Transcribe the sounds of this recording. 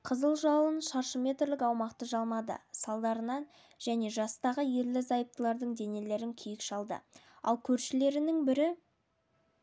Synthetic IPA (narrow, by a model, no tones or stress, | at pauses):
qʰəzəlˠʒɑwənʃɑɾʃəmʲe̞t̪ɾlɪkɑwmɑqt̪əʒɑlˠmɑd̪ə̰sɑlˠd̪ɑɾənɑn | ʒ̥æne̞ʒɑst̪ɑʁəje̞ɾlɪzɑjəp̚t̪əlˠɑɾd̪əɴd̪e̞ne̞le̞ɾɪŋkʲʰijɪkʃɑlˠd̪ə̰ | ɑ̰lˠkʲʰɵɾʃɪle̞ɾɪnɪŋbɪɾɪ